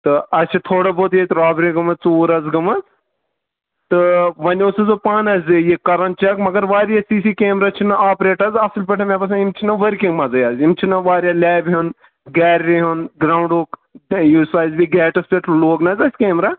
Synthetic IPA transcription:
t̪ɨɐt͡ʃʰit̪ʰoːɽɐboːt̪jet̪ɾaːbɾiɡɐmɐzt͡suːɾɐzɡɐmɐz | t̪ɨʋɐnʲoːsɐzopaːnɐzʲijekɐɾɐnt͡ʃɐkmɐɡɐɾʋaːɾijasiːsikeːmɾaːt͡ʃʰinɐʔaːpɾeːʈɐzɐsɨlpʲɐʈʰɐmʲẽpɐsɐ̃imt͡ʃʰinɐʋɐɾkĩŋɡmɐzɐjaːzimt͡ʃʰinɐʋaːɾjaːlʲɛːbiɦun | ɡɛːɾɾiɦunɡɾaːwɳɖoːkjuːsaːjzbiɡɛːʈɐspʲeʈʰloːɡnɐzʲɐsʲkeːmɾaː

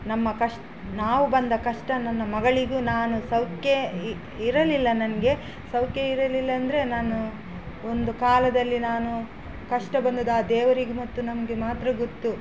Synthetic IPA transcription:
nɐmːɐkɐʂʈɐ | naːʋubɐnd̪ɐkɐʂʈɐnɐnːɐmɐɡɐɭiɡunaːnusɐwke | iɾɐlilːɐnɐnɐɡe̞ | sɐwkeiɾɐlilːɐːnd̪ɐɾe̞naːnu | ond̪ukaːlɐd̪ɐlːinaːnu | kɐʂʈɐbɐnd̪ud̪aːd̪ɛːʋɐɾiɡumɐt̪ːunɐmɐɡemaːt̪ɾɐɡot̪ːu

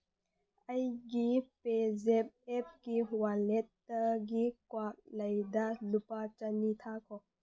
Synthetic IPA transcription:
ɐjɡipezep̚ep̚kiwalet̚ːɐɡikwak̚lɐjdalupat͡ʃɐnit̪ʰakʰɔ

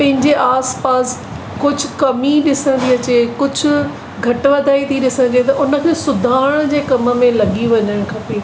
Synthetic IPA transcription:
pɐ̃ɦɪ̃ɲd͡ʑeʔaːspaːs | kʊd͡ʑʱʊkɐmiɗɪsə̃n̆d̪iɐt͡ɕeːkʊd͡ʑʱʊ̆ | ɡʱɐʈʋɐd̪ʱaːit̪ʰiɗɪsə̃nd̪iet̪ɐʔʊnə̆kʰeːsʊd̪ʱaːɽ̃d͡ʑeːkɐmə̆mẽlɐɠiʋɐɲəɽ̃kʰɐpeː

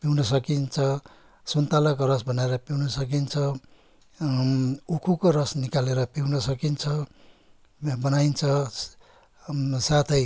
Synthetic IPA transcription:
piwnʌsʌkint͡sʰʌ | sunt̪alʌkorʌsbʱʌneɾʌpiwnʌsʌk̬int͡sʰʌ | ukʰukorʌsnikaleɾʌpiwnʌsʌkint͡sʰʌ | bʌnaint͡sʰʌ | sat̪ʰʌj

